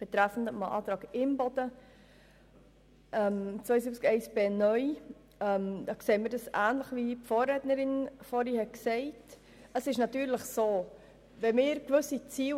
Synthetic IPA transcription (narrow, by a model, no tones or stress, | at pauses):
b̥ɛt̪ɾæfn̩dətmɑʔɑ̰ːt̪ɾɑːɡɪmbɔdə | ʔɛmt͡sʋœjzɪbt͡skɛɪsb̥eːnœʏ | ɛmd̥̪ɑːkseːmədəsʔæːnləχʋipfoːɾɾɛːtnəɾɪnfɔːɾihɛksɛɪt | əsɪʃnɑtyːɾləχsoː | vɛmɪːɾkvɵsit͡siː